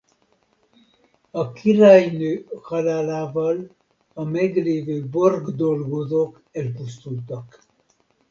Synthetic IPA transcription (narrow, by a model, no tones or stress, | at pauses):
ɒkʰirajnøːhɑlaːlaːvɒl | ɒmɛɡleːvøːborɡd̪olɡozoːk | ɛlpust̪ult̪ɒk